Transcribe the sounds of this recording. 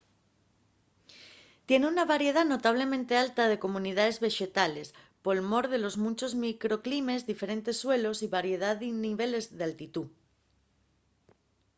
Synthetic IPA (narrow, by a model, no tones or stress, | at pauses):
t̪je̞neunaβaɾje̞ð̞ano̞t̪aβ̞le̞mẽnt̪e̞alt̪aðe̞ko̞mũniðaðe̞zβe̞ʃe̞t̪ale̞s | po̞lmo̞ɾðe̞lo̞zmũnt͡ʃo̞zmikɾo̞klime̞zðife̞ɾe̞nt̪e̞sːwe̞lo̞siβaɾje̞ð̞aðiniβe̞le̞zðealt̪it̪u